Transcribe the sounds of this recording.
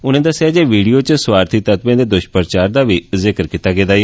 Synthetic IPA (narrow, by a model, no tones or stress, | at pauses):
ʊnẽːd̪əsejaːd͡ʒeːʋiːɖijoːt͡ʃswaːɾt̪ʰiːt̪ət̪ʋẽːd̪eːd̪ʊʃpəɾt͡ʃaːɾd̪aːʋiːzɪkəɾkiːt̪aːɡɪed̪aː